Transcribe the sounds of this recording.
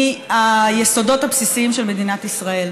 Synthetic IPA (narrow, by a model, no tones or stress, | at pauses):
ajeso̞do̞t̪apsisiimʃe̞lme̞d̪inat̪isʁae̞l